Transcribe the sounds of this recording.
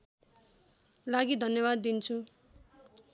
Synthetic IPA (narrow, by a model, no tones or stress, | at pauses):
laɡid̪ʱʌnjʌβad̪ːint͡sʰu